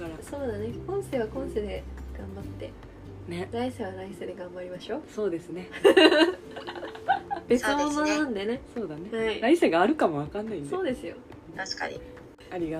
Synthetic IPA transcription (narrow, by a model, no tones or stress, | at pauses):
aɾaso̞ːd̪ane̞kõ̞ɰ̃seːβakõ̞ɰ̃seːd̪e̞ɨ̥ɡãmbat̪ːe̞̰ | neɾaiseβaɾaised̪e̞ɡãmbaɾʲimaɕo̞ːso̞ːd̪e̞sɨne̞ | b̥et͡sɨmõmõnd̪e̞ne̞so̞ːd̪ane̞aiɾaiseɡaːɾɯ̟kamo̞βakãnːaĩndseo̞ːd̪e̞sɨjõ̞ | t̪aɕi̥ka̰ɲḭ | aɾʲiɡa